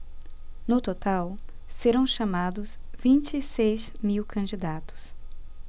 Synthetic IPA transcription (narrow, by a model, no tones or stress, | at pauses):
nʊt̪ot̪awseɾɐ̃w̃ʃɐmad̪ʊsvĩnt͡ʃɪːsejzmiwkʰɐ̃nd͡ʒid̪at̪ʊ̥s